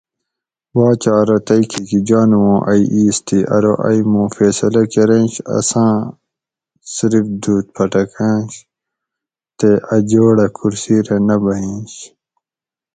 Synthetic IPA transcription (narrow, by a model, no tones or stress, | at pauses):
waːt͡ɕaːɾɐt̪ɐikʰikid͡ʑaːnuwõːʔɐiʔiːst̪iʔɐ̰ɾoʔɐjmũːfeːsɐlɐkeɾẽːnɕɐ̰sãː | siɾifd̪uːt̪̚pʰɐʈɐkẽːɕ | t̪eʔɐd͡ʑoːɽɐkʰuɾsiːɾenɐbɐɦĩːɕ